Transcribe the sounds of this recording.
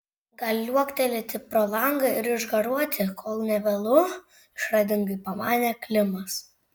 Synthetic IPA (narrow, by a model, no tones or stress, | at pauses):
ɡɐlʲuɔkt̪ʲɛlʲɪt̪ʲɪpɾoːlˠɐŋɡɐɪɾɪʒɡɐɾuɔt̪ʲɪkʰoːlˠnʲɛʋʲɛlˠʊ | ɪʃɾɐd̪ʲɪŋɡɐɪpɐmɑːnʲɛːklʲɪmɐs